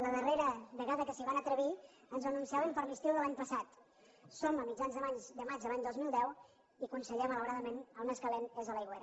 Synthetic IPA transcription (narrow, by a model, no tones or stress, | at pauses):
ləðəreɾəβəɣaðəkəsiβanət̪ɾəβ̞i | ənzənunsiaβəmpəɾmist̪iwðəlaɲpəsat̪ | soməmid͡ʒanzðəβaɲzd̪əmad͡ʒəlaɲd̪ozmilˠd̪ɛw | ikunsəʎɛmələwɾaðəmenəlnəskəlenezðələjɣweɾə